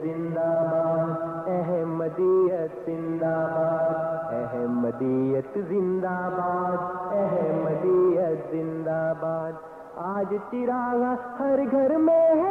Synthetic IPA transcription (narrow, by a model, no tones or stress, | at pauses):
zɪ̃nd̪aːbaːdd̪ɛɦɛmɐd̪iːjət̪zɪ̃nd̪aːbaːd̪ɛɦɛmɐd̪iːjət̪zɪ̃nd̪aːbaːd̪ɛɦɛmɐd̪iːjət̪zɪ̃nd̪aːbaːd̪ | aːd͡ʒt̪ɪɾaːɡãhɐɾɡʱɐɾmẽɦ